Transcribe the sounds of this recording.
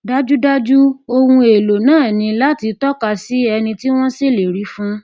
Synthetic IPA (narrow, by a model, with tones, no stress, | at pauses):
da˦d͡ʒu˦da˦d͡ʒu˦o˧wũ˧e˨lo˨nãː˦˨nĩ˧la˦ti˧tɔ˦ka˧si˨˦ɛ˧nĩ˧ti˦w̃ɔ̃˦si˦˨le˨ɾi˨˦fũ˦